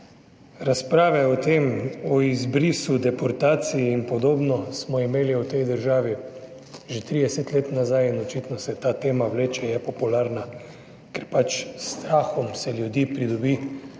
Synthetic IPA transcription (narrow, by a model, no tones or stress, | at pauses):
ɾaspɾaːʋɛɔt̪eːmɔizbɾiːsud̪ɛpɔɾt̪aːt̪sijiːnpɔd̪oːbnɔsmɔimeːliut̪ɛjd̪əɾʒaːʋi | ʒet̪ɾid̪ɛset̪leːt̪nazajinɔt͡ʃit̪nɔsɛt̪aːt̪eːmawleːt͡ʃɛjɛpɔpulaːɾna | kɛɾpat͡ʃst̪ɾaːxɔmsɛljud̪iːpɾid̪ɔbiː